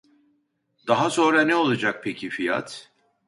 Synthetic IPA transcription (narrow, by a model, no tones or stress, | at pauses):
d̪̥aɦaso̞nɾanɛo̞lˠad͡ʒak̚pʰe̞cʰifija̰t̪